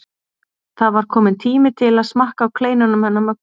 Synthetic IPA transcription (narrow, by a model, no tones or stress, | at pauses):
θaðvaɾ̥kʰɔːmɪnt̪ʰiːmɪt̪ʰɪlaðsmahkawkʰleːjnanʏmhɛnːamœ̥